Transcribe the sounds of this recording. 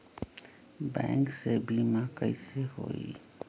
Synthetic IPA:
bɛ̰̃ŋksebʱimãkəɪseho̰ḭ

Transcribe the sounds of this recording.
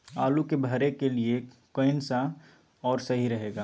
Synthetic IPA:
aːlukebʱɐɾekelie | koɪnsa | ɔːɾsɐɦiɾɐɦeːɡaː

